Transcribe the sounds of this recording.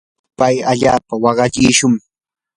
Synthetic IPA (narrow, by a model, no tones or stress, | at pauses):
pajaʎaːpawɑɢɑʎɪːʃʊŋ